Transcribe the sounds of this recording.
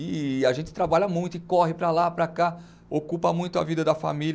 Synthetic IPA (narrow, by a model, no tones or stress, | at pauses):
ɪaʒẽnt͡ʃɪ̥t̪ɾabaʎɐmũj̃t̪ʊɪkɔɦɪpɾɐlapɾaka | okupɐmũj̃t̪ʊa̰vid̪ɐd̪ɐfa̰miʎ